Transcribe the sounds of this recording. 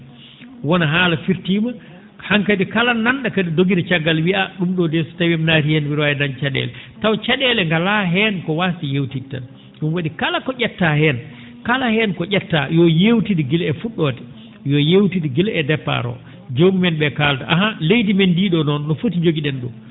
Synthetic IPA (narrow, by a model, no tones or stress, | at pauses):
wɔnaɦaːlafiɾtima | haŋkadikalannːanɗakadidoɡidat͡ʃaɡːalwiaɗumɗɔdɛsɔ̥tawɛmnatijɛnwiɾwajɛdant͡ʃaɗɛ̰lɛtawt͡ʃaɗɛlɛŋɡalaɦɛnkɔwastijewtitːa̰n | ɗumwaɗikalakɔʔʲɛtːahɛn | kalahɛnkɔʔɛtːajɔjewtidiɡilɛfuɗːɔtɛ̥ | jɔjewtidiɡilɛdɛpːa̰ɾɔ̰ | d͡ʒoɡumɛnɓɛkaltaʔaɦalejdimendiɗɔnɔnːɔfotid͡ʒoɡiɗɛnɗɔ